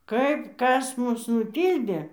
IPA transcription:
ˈkɐɪp ˈkɐs ˈmʊs nʊˈtʲiːlʲdʲeː

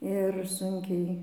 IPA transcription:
ɪr ˈsʊŋʲkʲɛɪ

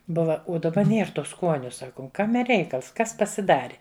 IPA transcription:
ˈbʊʋɐ ʊ dɐˈbɐ ˈnʲiɛr ˈtuː ˈskuɔnʲʊ ˈsɑːkʊm ˈkɑːmʲɛ ˈrʲɛɪkɐlˠs ˈkɐs pɐsʲɪˈdɑːrʲɪ

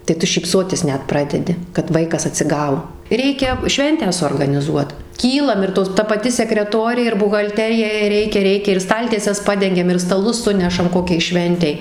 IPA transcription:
tɐɪ ˈtʊ ʃʲiːpˈsoːtʲɪs ˈnʲɛt ˈprɑːdʲɛdʲɪ kɐt ˈʋɐɪkɐs ɐtʲsʲɪˈɡɐʊ ˈrʲɛɪkʲɛ ˈʃʲʋʲɛnʲtʲæː suɔrɡɐnʲɪˈzuɔt ˈkʲiːlˠɐm ɪr ˈtoːs ˈtɐ pɐˈtʲɪ sʲɛkrʲɛˈtoːrʲeː ɪr bʊɣɐlʲˈtʲæːrʲɪjɛ jɛɪ ˈrʲɛɪkʲɛ ˈrʲɛɪkʲɛ ɪr ˈstɐlʲtʲiɛsʲɛs ˈpɑːdʲɛŋʲɡʲɛm ɪr stɐˈlˠʊs ˈsʊnʲɛʃɐm ˈkoːkʲɛɪ ˈʃʲʋʲɛnʲtʲɛɪ

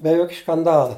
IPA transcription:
bʲɛ ˈjoːkʲ ʃkɐnˈdɑːlˠɐ

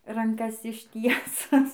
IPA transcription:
rɐŋˈkɐs ɪʃʲˈtʲiɛsʊs

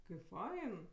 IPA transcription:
kɐɪp ˈfɐɪn

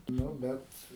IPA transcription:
ˈnʊ ˈbʲɛt

